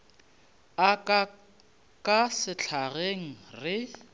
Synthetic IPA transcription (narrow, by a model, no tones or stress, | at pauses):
akʼa | kʼasɪt͡ɬʰaɣeŋ̩rɪ